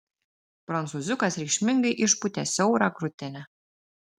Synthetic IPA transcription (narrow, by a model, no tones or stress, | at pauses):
frɑnt͡suzʲukɑsʲrʲiʃmʲɘ̆ŋɡɘ̆ʔiʃput̪ʲæsʲɘuɾɑkrut̪ʲːenɘ̆